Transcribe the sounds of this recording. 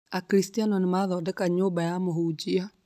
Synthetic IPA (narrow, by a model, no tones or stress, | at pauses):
akɾistianɔnemaðɔːdɛkaɲoːbajamoɦud͡ʒia